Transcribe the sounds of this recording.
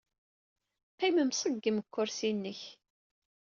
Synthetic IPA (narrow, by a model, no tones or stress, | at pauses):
qiməmsˤəɡːəməkʷʰːʊɾsinːəç